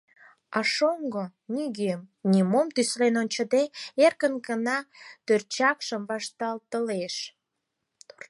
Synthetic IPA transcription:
ɑʃoŋɡonʲiɡemnʲimomt̪yslenonʲt͡ɕə̆d̪eerkənɡənɑt̪ørt͡ɕɑkʃəmβɑʃt̪ɑlt̪əleʃ

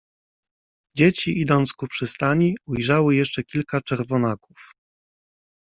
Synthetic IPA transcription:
d͡ʑet͡ɕiʔid̪ɔnt̪skupʂɘst̪aɲiujʐawɘjɛʂt͡ʂɛkʲilkat͡ʂɛɾvɔnakuf

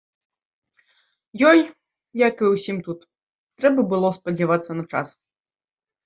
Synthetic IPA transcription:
jɔj | jakɨwsʲimt̪ut̪ | t̪ːɾɛbɐbɨlˠɔspɐd͡zʲavat̪sːɐnɐt͡ʂa̰s

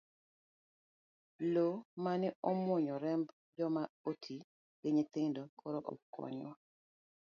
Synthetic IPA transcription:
lomanɪɔmwoɲɔɾɛmb | d͡ʒɔmaotʰi | ɡ̥eɲet̪eŋndokʰɔɾɔʔɔ̰kːɔ̰ɲɔ

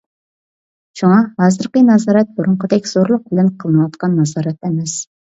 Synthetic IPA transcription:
ʃuŋɑhɑːzɨɾqənɑzɑːɾɛt̪̚buɾʊɴqʰəd̪ɛkʲz̥oɾlˠʊq̚bɪlɪnqʰəlˠɨnɨwɑt̪qʰɑnːɑzɑːɾɛt̪ɛmɛs

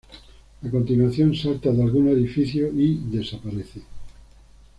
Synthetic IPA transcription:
ako̞nt̪inwaθjonsalt̪aðalɣune̞ðifiθjoiðe̞sapaɾeθe

